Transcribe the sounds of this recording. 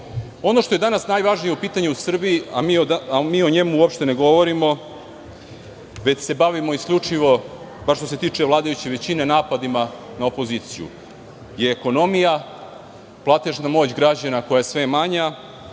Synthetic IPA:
o̞no̞ʃt̪o̞je̞d̪anasnajʋaʒnijeupiːt̪aɲeusr̩biiamioamiːo̞ɲe̞muuopʃt̪e̞ne̞ɡo̞ʋo̞ɾimo̞ | ʋe̞t͡ɕse̞baʋimo̞isklʎʲut͡ʂiʋo̞ | baʃt̪o̞s̬e̞t̪iːt͡ʂe̞ʋlˠaːd̪ajut͡ɕeʋe̞t͡ɕine̞naːpad̪ima | naopo̞ziːt̪sijṵ | je̞ːko̞no̞mija | plˠaːt̪e̞ʒnamo̞ːt͡ɕɡɾad͡ʑanako̞jajesʋe̞maɲa

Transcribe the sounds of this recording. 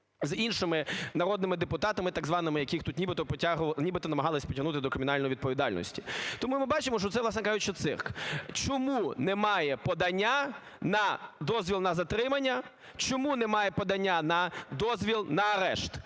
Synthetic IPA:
zinʃɪmɪnɐɾɔd̪nɪmɪd̪epʊt̪ɑt̪ɐmɪt̪ɐɡzʋɑnɪmɪjɐkʲixt̪ut̪nʲibɪt̪ɔpɔtʲaɦnʲibɪt̪ɔnɐmɐɦɑlˠɪsʲpɔtʲɐɦnut̪ɪd̪ɔkɾɪmɪnɑlʲjiʋʲid̪̚pɔʋʲid̪ɑlʲnɔ̰sʲtʲit̪ɔmumɪbɑt͡ʃɪmɔʃ̬t͡ʃɔt̪sɛʋlˠɑsnɛkɑʒʊt͡ʃɔt̪sɪ̰rkt͡ʃɔmunɛmɑjɛpɔd̪ɐnʲːa | nɐd̪ɔzʲʋʲilˠnɐzɐt̪ɾɪmɐnʲːɐ | t͡ʃɔmunɛmɑjɛpɔd̪ɐnʲːanɐd̪ɔzʲʋʲilˠnɐɐɾɛʃt̪

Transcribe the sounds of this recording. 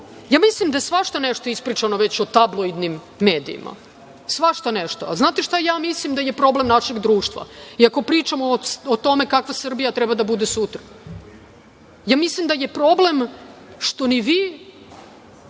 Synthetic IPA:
jaːmislimd̪ajesʋaʃt̪aneʃt̪o̞ispɾit͡ʃanoʋet͡ɕot̪ablˠojd̪nimː | e̞ːd̪ḭːmʔa̰ | sʋaʃt̪aneʃt̪o̰aznaːt̪eʃt̪ajaːmislimd̪ajepɾo̞ble̞mnaʃeɡd̪ɾuːʃt̪ʋa̰iako̞pɾiːt͡ʃamoot̪ome̞kakʋasr̩bijat̪ɾɛbad̪abud̪esut̪ɾa | jaːmislimd̪ajepɾo̞blemʂt̪o̞niʋi

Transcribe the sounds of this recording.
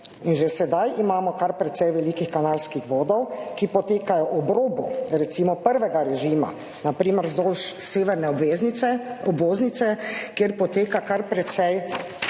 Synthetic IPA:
inʒɛsɛd̪ajimaːmɔkaɾpɾɛt̪sɛjʋɛlikixkanaːlskixʋoːd̪ɔwkipɔt̪eːkajɔʔɔbɾoːbɔ̰ɾɛt̪siːmɔpəɾʋɛɡaɾɛʒiːma̰ | napɾiːməɾzoːlʃseːʋɛɾnɛeɛɔbʋoːzniɛkjeɾpɔt̪eːkakaɾpɾɛt̪sɛj

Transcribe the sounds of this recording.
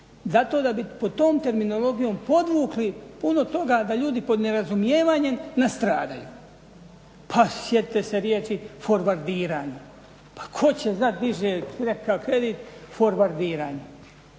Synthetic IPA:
zat̪o̞ːd̪abipod̪̚t̪o̞ːmt̪e̞ɾmino̞lo̞ɡijo̞ːmpo̞d̪ʋuːklipuno̞t̪o̞ɡaːd̪aʎuːd̪ipod̪neɾazumjeːʋaːɲe̞mnast̪ɾaːd̪a̰jṵː | pʰasjet̪it̪ese̞ɾjeːt͡ʃifo̞ɾʋaɾd̪iːɾaːɲe | pḁkʰo̞t͡ɕe̞znat̪̚d̪iʒeːɾekʰakɾed̪iːt̪fo̞ɾʋaɾd̪iːɾaːɲe

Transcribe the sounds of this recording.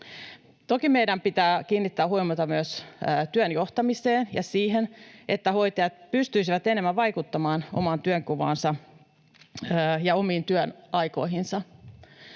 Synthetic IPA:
t̪okimejdæmpit̪æːk̟iːnːit̪ːæːɦuimɑt̪ɑmyøst̪yønjo̞ht̪ɑmiseːnjɑsiːɦenʔe̞t̪ːæho̞jt̪ɑjɑt̪̚pyst̪yisiʋæt̪enemːæʋɑjkut̪ːɑmɑːno̰mɑnt̪yøŋkuʋɑ̰ːnsɑ | jɑo̞miːnt̪yønɑjko̞̰iɦinsɑ

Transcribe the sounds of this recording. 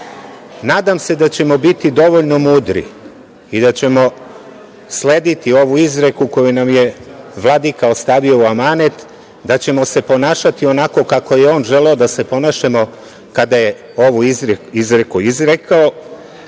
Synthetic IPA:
naːd̪amse̞d̪at͡ɕe̞mo̞bit̪id̪o̞ʋo̞ʎno̞muːd̪ɾḭ | id̪at͡ɕe̞mo̞ | sle̞ːd̪it̪io̞ʋuizɾe̞kuko̞junamje̞ʋlˠad̪ikao̞st̪aːʋio̞uamanet̪ | d̪at͡ɕe̞mo̞se̞po̞naːʃat̪io̞nako̞kako̞je̞o̞ːnʒeleo̞d̪ase̞po̞naʃemo̞ | kad̪aje | o̞ʋuizɾekuizɾekʰao

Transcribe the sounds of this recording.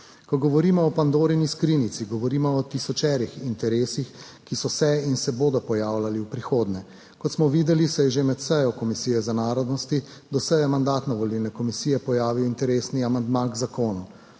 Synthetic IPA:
kɔɡɔʋɔɾiːmɔːpand̪oːɾiniskɾiːnit̪siɡɔʋɔɾiːmɔːt̪isɔt͡ʃɛːɾixint̪ɛɾeːsix | kisɔsɛinsɛboːd̪ɔpɔjaːwlaliwpɾixoːd̪nɛ | kɔt̪smɔʋiːd̪ɛlisɛjɛʒemɛt̪səjɔkɔmisiːjɛzanaːɾɔd̪nɔst̪i | d̪ɔsəjɛmand̪aːt̪nɔʋɔliwnɛkɔmisiːjɛpɔjaːʋiwint̪ɛɾeːsniamand̪maɡzakoːnu

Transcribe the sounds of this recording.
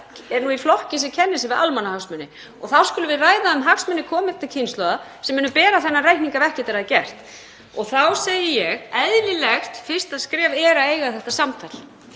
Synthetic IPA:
ɛɾnuiflɔhcɪs̬ɛcʰɛnːɪsɛvɪʔa̰lmanːahaksmʏnːɪ | ɔɣθawskʏːlʏvɪðraːjðaʏmɦaksmʏnːɪkʰɔːmɪt̪acʰɪnst̪lœːðasɛmːʏːnʏpɛːɾaθɛnːarajkniŋkavɛr̥cɪt̪ɪɾaðcɛr̥t̪ | ɔɣθawseːjɪjɛɣɛðlɪlɛxt̪fɪ̥st̪aðskɾɛːvɛːɾaeːjɣaθɛht̪asamt̪ʰajl̥

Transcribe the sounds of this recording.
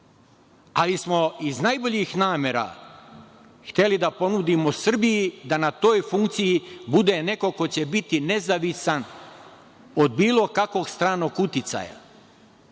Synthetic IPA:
alismo̞iznajboʎixnaːmeɾa̰ | xt̪e̞lid̪apo̞nud̪imosr̩bijid̪anat̪o̞ːjfuŋkt̪sijibud̪e̞ne̞ko̞ko̞t͡ɕebit̪ine̞zaʋisan | od̪biːlo̞kako̞ɡst̪ɾaːno̞kut̪it̪sa̰ja̰

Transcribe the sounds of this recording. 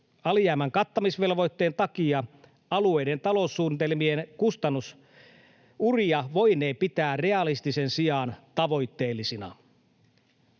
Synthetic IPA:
ɑljæːmæŋkɑt̪ːɑmisʋe̞lʋo̞jt̪ːe̞ːnt̪ɑkiɑ | ɑlue̞jde̞nt̪ɑlo̞usːuːnit̪elmienkust̪ɑnːus | uriɑʋo̞jne̞ːpit̪æːre̞ɑlist̪isensijɑːnt̪ɑʋo̞jt̪ːe̞ːlːisinɑ̰

